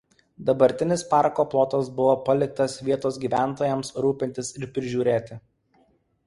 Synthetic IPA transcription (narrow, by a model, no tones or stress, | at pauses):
d̪ɐbɐɾʲt̪ʲɪnʲɪspɑˑɾkoːplˠoːt̪ɐsbʊʋoːpɐlʲɪk̚t̪ɐsʋʲiɛt̪oːsɡʲiːʋʲæˑnˑt̪oːjɛmsɾuːpʲɪnʲt̪ʲɪsɪɾpʲɾʲɪʒʲuːɾʲeːt̪ʲɪ